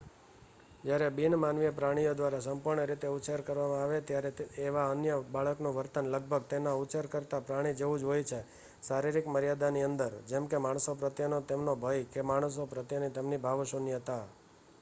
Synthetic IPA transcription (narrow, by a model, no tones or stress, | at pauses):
d͡ʒjaɾebinmanʋijəpɾaɽ̃ijod̪ʋaɾasəmpuɾɳəɾit̪eut͡ʃəɾkəɾʋamãaʋet̪jaɾeeʋaənjəbaɭəknũʋəɾt̪ənləɡ̚bʱəɡ̚t̪enaut͡ʃəɾkəɾt̪apɾaɽ̃id͡ʒeʋũd͡ʒɦojt͡ʃʰe | saɾiɾikməɾjad̪aniənd̪əɾd͡ʒɛmkemaɳ̃sopɾət̪jənot̪emnobʱəjkemaɳ̃s̬opɾət̪jənit̪emnibʱaʋʃunjət̪a